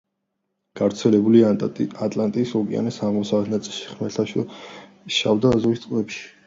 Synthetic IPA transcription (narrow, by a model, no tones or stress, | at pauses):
ɡ̥avɾt̪sʰɛlɛbuliat̪ʼlant̪ʼiːsɔkʼḭa̰nɛsaʁmɔsavɛt̪ʰnat̪sʼilˠʃi̥χmɛt̪ʰaʃɛ | ʃa̰vd̪aːzɔist̪sqʼvɛpʃi̥